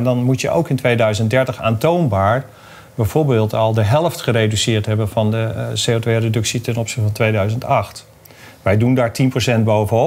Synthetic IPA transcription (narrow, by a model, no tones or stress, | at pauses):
ndɑnmutjəʔo̰wkɪntʋejdœɥzənt̚dɛɹtəχa̰ːntownbaːɹ | bɛjv̥oːɹbeːlˠtɑlˠdəɦɛlˠftχərejdysɪːɹtɦɛbənvɑndəsejotʋejredɵksitɛnɔpsɪ̥xtəfɑntʋejdœɥzəntɑχt | ʋɛjdundaːɹtinprosɛnt̚bowvənɔ